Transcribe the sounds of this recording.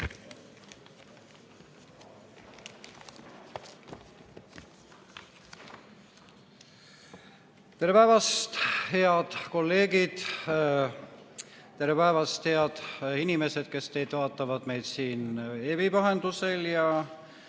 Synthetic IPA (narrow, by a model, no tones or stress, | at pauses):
t̪eɾepæevɑst̪heɑd̪̥ko̞lːe̞ːɡid̪̥ | t̪e̞ɾepæevɑst̪he̞ɑd̪̥inime̞sed̪̥̚ke̞st̪e̞jd̪̥vɑːt̪ːˑɑvɑd̪̥me̞jd̪siːnebipɑɦe̞nd̪use̞ljɑ